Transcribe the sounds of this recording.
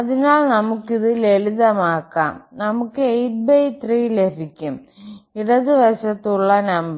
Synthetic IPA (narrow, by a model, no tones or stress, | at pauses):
ɐðinaːlnɐmukːiðɨleliðɐmaːkːa̰ːmnɐmukːɨejʈ̚bɐjt̪riːlebʱikʲːum | iɽɐðɨʋɐɕɐt̪ːuɭːɐnɐmbɐ